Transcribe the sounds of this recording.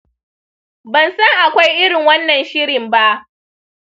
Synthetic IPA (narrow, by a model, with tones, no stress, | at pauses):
bɐ˨nsɐ˦ŋʔa˨kʷa˦jʔɪ˦ɽɪ˨ŋwɐ˦nːɐ˨nʃɪ˦ɾɪ˨mba˦ʔ